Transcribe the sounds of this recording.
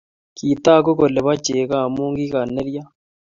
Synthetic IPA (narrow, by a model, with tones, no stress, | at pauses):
ki˨t̪aː˦˨ko˦ko˨le˨βa˦t͡ʃeː˨ɣa˦˨muː˦ŋɡi˦ɣa˨nːe˦ɾja˦